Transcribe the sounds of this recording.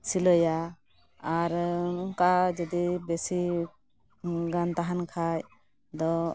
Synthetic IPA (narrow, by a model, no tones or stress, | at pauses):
siləja | aɾkad͡ʒɔd̪ibesi | ɡant̪aɦankʰaj | d̪ɔ